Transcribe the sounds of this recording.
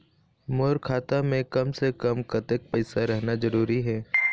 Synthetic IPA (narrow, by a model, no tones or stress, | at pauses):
moːɾkʰaːt̪amẽkɐmsekɐmkɐt̪ək̚pɛɪsaɾɛɦnazɐɾuːɾiɦɛː